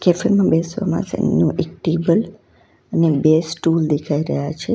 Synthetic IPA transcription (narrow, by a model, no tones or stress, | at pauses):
kɛfəɾmãbesʋa̰mã̰sḛnũʔek̚ʈebəl | ənebesʈuld̪ekʰaiɾəɦjat͡ʃʰe